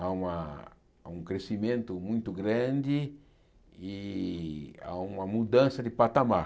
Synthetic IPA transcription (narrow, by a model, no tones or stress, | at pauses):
aũma | ũŋkɾesimẽnt̪ʊmũj̃t̪ʊɡɾãnd̪ɪ | i | a̰ũmɐmud̪ãnsɐd̪ɪpat̪ama